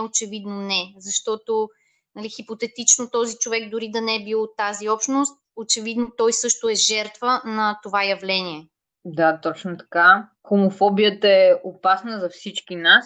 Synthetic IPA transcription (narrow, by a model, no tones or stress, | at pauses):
ot͡ʃɛvid̪nonɛzɐʃt̪ɔt̪o | nɐlixipot̪ɛt̪it͡ʃnot̪ɔzit͡ʃovɛɡd̪ʊɾid̪ɐnɛɛbilˠot̪aziɔpʃnost̪̚ | ot͡ʃɛvid̪not̪ɔjsɤʃt̪ʊɛʒɛɾt̪vənɐt̪ovajɐvlɛniɛ | d̪at̪ɔt͡ʃnot̪ɐ̥ka | xomofɔbijət̪əɛʔopasnəzɐfsit͡ʃkinas